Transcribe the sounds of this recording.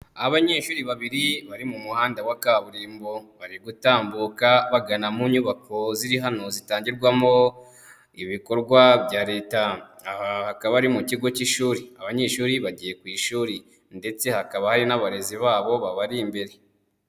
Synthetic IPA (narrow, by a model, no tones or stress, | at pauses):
aβaɲeːʃuːɾiβaβiɾiβaɾimumuhaːndawakaβuɾiːmboβaɾiɡutaːmbuːkaβaɡanamuɲuβako̞ziɾiɦano̞zitaːɲɟiɾɡwamo̞ | iβiko̞ɾɡwaβjaːɾe̞ːtaahakaβaɾimuciɡo̞ciʃuːɾiaβaɲe̞ːʃuːɾiβaɟije̞kwiːʃuːɾi | nde̞t͡se̞hakaβahaɾinaβaɾe̞ziβaːβo̞βaβaɾiːmbe̞ɾe